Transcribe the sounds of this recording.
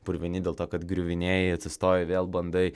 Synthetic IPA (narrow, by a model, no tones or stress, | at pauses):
pʊɾʲʋʲɪnʲɪd̪ʲeːlˠt̪oːkɐt̪ɡɾʲʊʋʲɪnʲeːjɛɪɐt̪ʲsʲɪst̪oːjɛʋʲeːlˠbɐnd̪ɐɪ